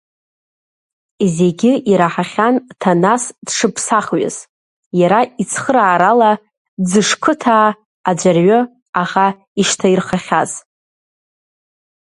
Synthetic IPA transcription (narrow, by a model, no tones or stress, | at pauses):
izeɡʲɪʔiɾaħaχʲantʰanasd̥ʂɨpʰsaχɥɪ̰z̥ | jaɾait͡sʰχəɾaːɾala | d͡zɨʂkʰɨtʰaː | d͡ʒʷarɥʊ | aχa | iʃtʰairχaχʲaz̥